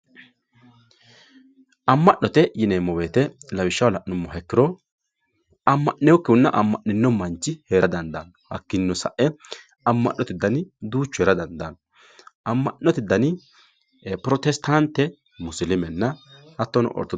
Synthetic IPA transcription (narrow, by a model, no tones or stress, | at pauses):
ʔɐmːɐʔːɔt̪ɛjɪneːmːɔweːt̪ɛlɐwɪʃːɐwlɐʔnʊmːɔɦɛkːɪɾɔ | ɐmːɐʔːɛwɔkːɪʊnːɐʔɐ̰mːɐ̰ʔːɪnːɔmɐnt͡ʃːɪheːɾɐd̪ɐnd̪ɐnɔhɐ̰kːɪnːɔsɐʔɛ | ɐmːɐ̰ʔːɔt̪ɪd̪ːɐnɪd̪uːt͡ʃːʊheːɾɐd̪ɐnd̪ɐnɔ | ɐmːɐnːɔt̪ɪd̪ːɐnɪ | pɾɔt̪ɛst̪ɐnt̪ːɛ | mʊslɪmɛnːɐhɐt̪ːɔnɔ̰ʔɔ̰ɾt̪ːɔ